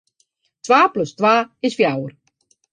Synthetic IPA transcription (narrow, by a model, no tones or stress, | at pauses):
tʋaːpløstʋaːɪsfjawər